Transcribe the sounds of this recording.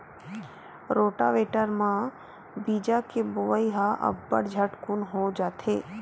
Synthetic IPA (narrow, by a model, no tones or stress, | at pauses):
ɾoːʈa̰ʋeːʈəɾmã | biːd͡ʒakebʊʋəiɦaʔə̰bːə̰ɽd͡ʒʱəʈkunɦod͡ʒaːt̪ʰeː